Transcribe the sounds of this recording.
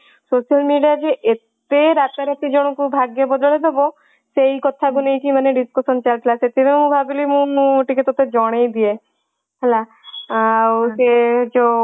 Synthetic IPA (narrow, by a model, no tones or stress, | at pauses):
soʃialmiɖijad͡ʒeʔet̪eɾat̪aɾat̪id͡ʒɔɽ̃okubʱaɡebɔd̪oɭed̪ebɔ | sejkɔt̪ʰakunejkimaneɖiskosɔnt͡ʃaɾklaset̪iɾemũbʱabilimũnũʈikit̪ot̪ed͡ʒɔɽ̃ejd̪ie | ɦɛla | wsed͡ʒo